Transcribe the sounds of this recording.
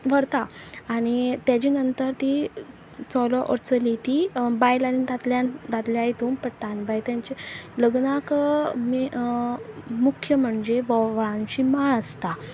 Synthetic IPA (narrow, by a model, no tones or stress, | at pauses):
ʋəɽt̪aːɽ̃it̪jat͡ɕinənt̪əɾt̪i | t͡sɔlɔʔɔ̰ɾt͡səlit̪ibajlanid̪at̪ljãnd̪at̪ljait̪uːmpəʈːanbajt̪jãɲt͡ɕeləɡnakmi | mukʰjəm̤əɳd͡ʑeʋɔʋɭãnt͡ɕimaɭəst̪a